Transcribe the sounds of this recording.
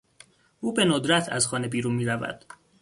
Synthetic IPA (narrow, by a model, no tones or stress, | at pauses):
ʔuːbe̞nod̪ɾæt̪ʰæ̰zxɒːne̞biːɾunmiːɾævæ̰d̪̥